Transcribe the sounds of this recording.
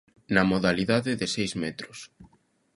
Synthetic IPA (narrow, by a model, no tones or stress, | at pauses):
nɐmoðaliðaðɪðɪsejzmɛt̪ɾʊs